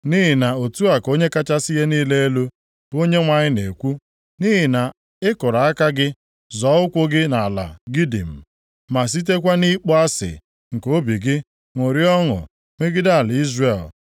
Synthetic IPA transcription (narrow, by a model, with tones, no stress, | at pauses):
ni˦ɦɪ˨na˨o˨tu˦a˨ko˦ɲe˦ka˦t͡ʃa˦si˦ɦe˦niː˦le˦e˦lu˦ | o˦ɲe˦ŋʷa˨ɲɪ˦nḛ˨kʷu˦ | ni˦ɦɪ˨na˨ | ɪ˦kʊ˨ɾa˨a˦ka˦ɡɪ˦ | zɔ˨˦ʊ˦kʷʊ˦ɡɪ˦na˨la̰˨ɡi˦dḭ˨m̩˨ | ma˨s̬i˦t̬e˦k̬ʷa˦ni˦k͡pɔ˦a˦sɪ̰˨ | ŋ̩˨ko˦bi˨ɡɪ˦ | ŋʷo˨ɾi˦ɔ˦ŋʊ̰˨ | ŋe˦ɡɪ˦da˦˨a˨lɪ˨i˦zre˨l